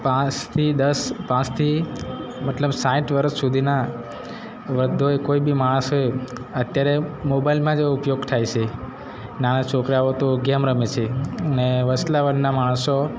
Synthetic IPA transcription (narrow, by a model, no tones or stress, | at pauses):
pãt͡ʃt̪ʰid̪əspãt͡ʃt̪ʰi | mət̪ləbsãiʈʋəɾəsːud̪ʱina | ʋɾəd̪ʱːoekoibimaɽ̃əsɦoj | ət̪jaɾemobailmãd͡ʒeʋoupjoɡt̪ʰajt͡ʃʰe | nanat͡ʃʰokɾaʋot̪oɡamɾəmet͡ʃʰeəneʋəslaʋənnamaɽ̃əso